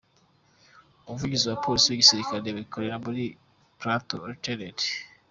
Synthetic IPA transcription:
oβuvuɟiziwapo̞lisiweɟisiɾikaɾeβikʰo̞ɾe̞ɾaβuɾi | pɾato̰teɾedi

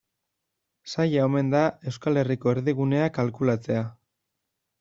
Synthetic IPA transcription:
sajaome̞nd̪ae̞wskale̞riko̞eɾðiɣ̞une̞akalkulat͡se̞a

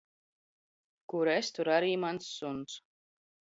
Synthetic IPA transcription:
kuɾest̪uɾaɾiːmansːuns

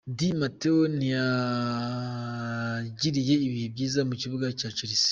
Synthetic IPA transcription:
dimateonija | ɟiɾije̞iβihebɟiːzamuciβuɡacat͡ʃiɾisi̥

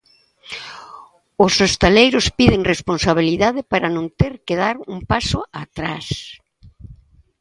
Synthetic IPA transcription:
ʊsost̪alejɾʊspiðɪŋresponsaβ̞iliðaðɪpaɾɐnõnt̪eɾkeðaɾumpasʊat̪ɾas

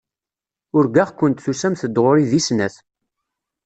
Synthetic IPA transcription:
ʊɾɡaʁkʷːənt̪θusæmθəd̪ʁoɾiðisnæθ

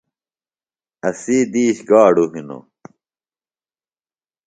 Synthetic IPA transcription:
ɐsiːd̪iːɕɡaːɽuɦino̰

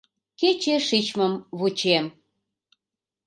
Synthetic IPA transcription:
ket͡ɕeʃit͡ɕməmβut͡ɕem

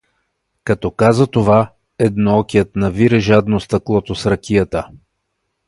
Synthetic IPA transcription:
kɐt̪ɔkazət̪ova | ɛd̪noɔkʲijət̪nɐviɾɛʒad̪nost̪ɐklˠɔt̪osɾɐkʲijət̪ə

